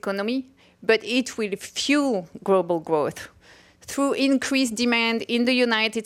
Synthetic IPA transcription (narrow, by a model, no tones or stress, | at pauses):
kɔnɔmi | bʌtɪtʰwɪlfjulɡlobəlˠɡɹoθ | θɹuʔɪ̃nkʰɹ̥isdimæ̃ndɪ̃nðəjunaɪtɪd